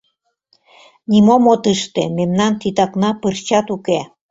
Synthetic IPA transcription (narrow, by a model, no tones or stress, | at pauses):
nʲimomot̪əʃt̪ememnɑnt̪it̪ɑknɑpɨrt͡ɕɑt̪uke